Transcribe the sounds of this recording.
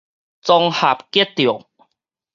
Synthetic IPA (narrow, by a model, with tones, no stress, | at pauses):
t͡sɔ˧ŋha˨˩p̚ke˦t̚t̪ːjɔ˨˩˦ŋ